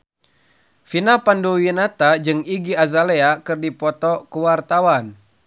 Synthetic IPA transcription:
finapanduwinat̪ad͡ʒɨŋiɡiazaleakɨrdipɔt̪ɔkuwart̪awan

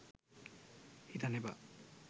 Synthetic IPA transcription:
idanɛba̰

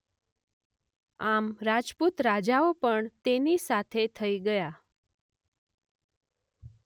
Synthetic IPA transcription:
amɾad͡ʒput̪ɾad͡ʒaopəɳt̪enisat̪ʰet̪ʰəiɡəja

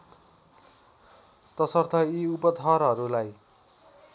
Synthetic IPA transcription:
t̪ʌsʌrt̪ʰʌiupʌt̪ʰʌɾɦʌɾulaj

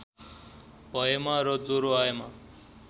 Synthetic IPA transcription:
bʱʌjemaɾʌd͡zoɾoaema

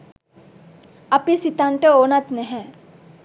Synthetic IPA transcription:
ɐpisit̪aɳʈəoːnat̪nɛɦɛ̃

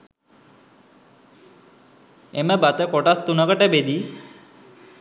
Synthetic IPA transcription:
eməbat̪əkɔʈast̪unəkəʈebed̪i

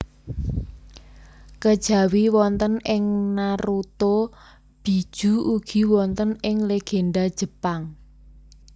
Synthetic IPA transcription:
kəd̥ʒ̥ä̤wiwɔnt̪ənɪŋnaɾut̪o | b̥i̤d̥ʒ̥ṳuɡ̥i̤wɔnt̪ənɪŋleɡ̥enɖad̥ʒ̥ə̤paŋ

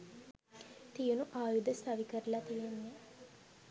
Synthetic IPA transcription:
t̪ijənuʔaːjud̪əst̪aʋikəɾəlat̪ijenːe

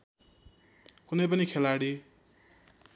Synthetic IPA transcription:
kunʌjpʌnikʰelaɽi

